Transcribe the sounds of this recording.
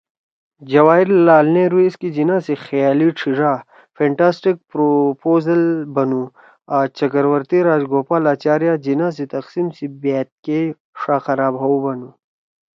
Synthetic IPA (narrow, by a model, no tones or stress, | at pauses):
d͡ʑɐwaːiɾːaːlnẽɾueskid͡ʑinãːsixjaːliʈ͡ʂʰiʐaː | feɳʈaːsʈik̚pɾopoːzɐlbɐnu | at͡ɕɐkɐɾwɐɾt̪iɾaːd͡ʑɡoːpalaːt͡ɕaːɾjad͡ʑinaːs̬it̪ɐqsimsibeːt̪̚ke | ʂaːxɐɾaːbɦɐwbɐnu